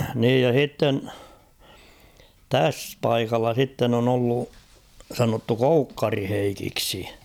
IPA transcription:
niːj jɑ h̞itːen tæs pɑikɑlːɑ sitːen on olːu sɑnotːu koukːɑri heikiksi

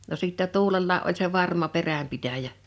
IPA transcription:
no siˑtːɛ tuːlelːɑi ʔolʲ se ʋɑrmɑ peræmpitæjæ

